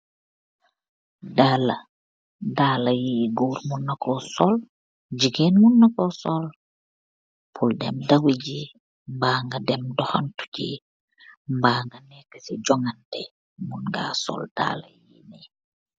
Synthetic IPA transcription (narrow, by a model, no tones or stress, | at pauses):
daːla | daːlajiɡuːɾmunːakɔsɔl | d͡ʒiɡenmunːakɔsɔl | pʰuldɛmdawiɟi | mbaːŋɡadɛmdɔxantu̥ɟḭ | mbaːŋɡanɛkːə̥siɟɔŋandɛ | munɡa̰ːsɔ̰ld̥a̰la̰jini